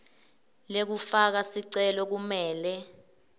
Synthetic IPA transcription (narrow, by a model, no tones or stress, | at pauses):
lek̬ufak̬asiǀɛlɔk̬umɛːlɛ